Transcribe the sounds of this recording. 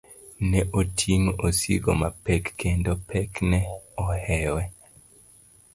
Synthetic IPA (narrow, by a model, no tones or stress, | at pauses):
nɛʔotʰiŋosḭɡo̰mapɛkːendopʰɛknɛɔhɛwɛ